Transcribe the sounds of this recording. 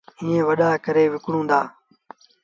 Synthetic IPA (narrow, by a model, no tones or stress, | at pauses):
iːẽːʋəɗaːkəɾeːʋɪkɽũːd̪aː